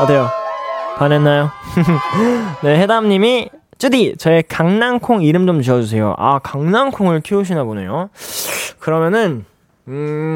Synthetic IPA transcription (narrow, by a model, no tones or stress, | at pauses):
adejokanenːajo | ne̞he̞damɲimi | t͡ɕ͈udit͡ɕʌe̞kaŋnaŋkʰoŋiɾɯmd͡ʑomt͡ɕiʌd͡ʑus̬ʰe̞jo̰ʔa̰kaŋnaŋkʰoŋɯɭkʰiuɕ̬ʰinabonḛjo | kɯɾʌmjʌnɯn | ɯ